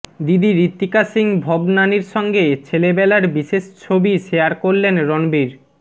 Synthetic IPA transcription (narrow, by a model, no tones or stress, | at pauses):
d̪id̪iɾit̪ːikasiŋbʱɔbnaniɾʃɔŋɡet͡ɕʰelebɛlaɾbiʃeʃt͡ɕʰobiʃejaɾkoɾlenɾɔnbiɾ